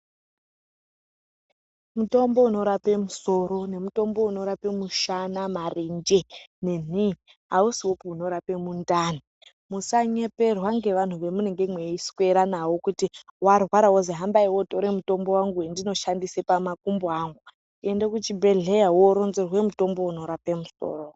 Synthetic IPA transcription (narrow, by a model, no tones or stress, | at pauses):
muto̞mbo̞uno̞ɾape̞muso̞ɾo̞ne̞muto̞mbo̞uno̞ɾape̞muʃanamarind͡ʒene̞ni | ɦausiwopouno̞ɾape̞mundaːni | musaɲe̞pe̞rwaŋɡe̞ʋan̤uʋe̞mune̞ŋɡe̞mweiswe̞ɾanawo̞kutiwarwaɾawozeɦambaiwoto̞ɾe̞muto̞mbo̞waŋɡuendino̞ʃandisepamakumboaŋɡu | e̞ndekut͡ʃibʱe̞ɮe̞jawo̞ɾo̞nzerwe̞muto̞mbo̞uno̞ɾape̞muso̰ːro